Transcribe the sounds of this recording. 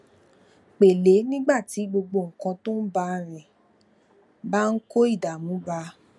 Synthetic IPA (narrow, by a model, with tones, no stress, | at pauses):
k͡pe˨le˨˦nĩ˦ɡ͡ba˦˨ti˨˦ɡ͡bo˧ɡ͡bo˧˨ŋ̩˨kã˧to˦n̩˦ba˧ɾɛ˨ | ba˦n̩˦ko˦i˦˨da˨mũ˨˦ba˧˦